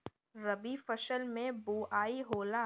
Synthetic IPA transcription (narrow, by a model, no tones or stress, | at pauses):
ɾɐbifɐʃəlmẽbuːaːiɦoːlaː